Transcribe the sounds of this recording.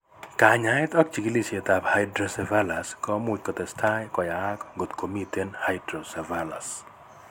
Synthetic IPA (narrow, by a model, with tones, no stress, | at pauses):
ka˨ɲa˨˦ɪ˦t̪ɔ˦k̚t͡ʃi˨kili˦se˨t̪a˨pha˦ɪdɾosɛva˦la˨skɔ˦m˦ʊ˨t͡ʃkɔ˨t̪ɛ˨stʰa˦jkɔ˨ja˨a˦kɡo˨t̪ko˨mit̪e˦nhajdɾo˨sɛ˨vala̰˨s